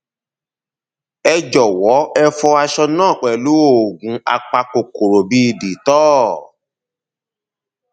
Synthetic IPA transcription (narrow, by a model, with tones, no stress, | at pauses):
ɛ˧d͡ʒɔ˨wɔ˨˦ɛ˦fɔ˧a˧ʃɔ˧nãː˦˨k͡pɛ˨lu˨˦o˦˨ɡũ˨˦a̰˧k͡pa˧ko˨ko˨ɾo˨bi˦˧˨di˨˦tɔ˦